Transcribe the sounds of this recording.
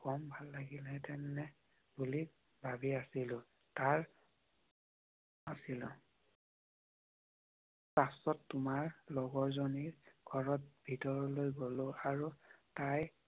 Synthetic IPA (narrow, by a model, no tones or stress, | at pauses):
kɔmbʱalːaɡilɛtɛnːɛ | buli | bʱabiasilʊ̃ | taɹ | asilɔ | pasɔtːumaɹlɔɡɔɹzoniɡ̥ʱɔɹɔt̚b̥ʱitɔɹɔlojɡoloaɹutaj